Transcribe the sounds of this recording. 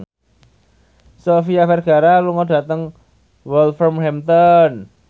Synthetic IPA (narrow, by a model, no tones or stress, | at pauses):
sofiafɛrɡ̥a̤ɾaluŋɔɖ̥ä̤t̪əŋ | wɛlfɾɔmhɛmt̪ɔn